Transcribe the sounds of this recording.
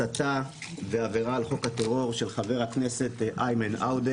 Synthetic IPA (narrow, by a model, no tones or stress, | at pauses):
at̪a | veaveʁaːlχo̞khat̪eʁo̞ʁʃelχave̞ʁhakne̞se̞t̪ʔajmenʔawde